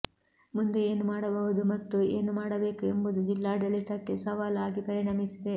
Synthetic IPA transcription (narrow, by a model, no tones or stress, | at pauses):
mund̪ee̞ːnumaːɽɐbɐɦud̪umɐt̪ːueːnumaːɽɐbe̞ːkuembud̪ud͡ʒilːaːɖɐlit̪ɐkːe̞sɐʋaːlaːɡipɐɾiɳɐmisid̪e̞